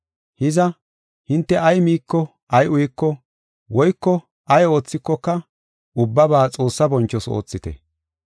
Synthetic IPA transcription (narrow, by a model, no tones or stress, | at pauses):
hɪzɐ | hɪnt̪ːɛʔɐjmiːkːɔ | ʔɐjʊjɪkːɔ | wɔjkːɔ | ʔɐjo̞ːt͡sːɪkːɔkːɐ | ʔʊbːɐbaːt͡sʼo̞ːsːɐbɔnt͡ʃːɔso̰ːt͡sːɪt̪ɛ̰